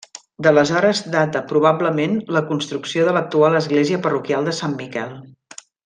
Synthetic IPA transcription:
d̪ələzɔɾəzd̪at̪əpɾuβabləmenləkunst̪ɾuksioðələk̚t̪ualəzɣleziəpərukialˠd̪əsamːikɛlˠ

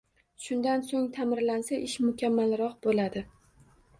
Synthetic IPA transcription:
ʃʊnd̪ansoŋt̪ʰamɪɾlansaʔɪʃmʊkʲʰamːalɾɒqbolad̪ɪ

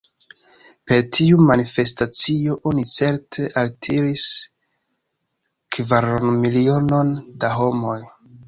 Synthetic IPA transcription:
pe̞ɾtʰiumanife̞stat͡sio̞ʔo̞nit͡se̞ɾtʰe̞ʔaltʰiɾis | kvaɾonmilio̞no̞ndaɦo̞mo̞j

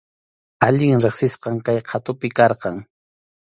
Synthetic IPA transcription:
aʎɪŋɾɪχsɪsqɑŋkajqʰɑt̪ʊpɪkɑɾqɑŋ

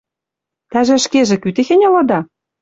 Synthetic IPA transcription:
t̪æʒĕʃkeʒĕkyt̪ĕxĕnʲɤlɤ̆d̪ɑ

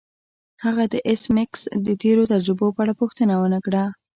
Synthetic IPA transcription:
haɣad̪əʔɪsmɪksd̪ət̪eɾot̪ad͡ʒɾəbopəaɽapuxt̪ənawənəkɽa

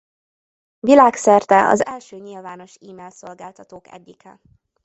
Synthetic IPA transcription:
vilaːksɛrt̪ɛʔɒ̰zɛlʃøːɲilvaːn̪o̞ʃiːmɛlso̞lɡaːlt̪ɒt̪oːkɛ̰ɟːikɛ

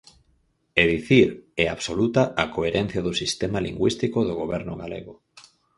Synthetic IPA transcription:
eðiθiɾɛaβsolut̪aʔakoeɾɛn̟θjaðʊsist̪emaliŋɡwist̪ikoðoɣoβɛɾnʊɣalḛɣo

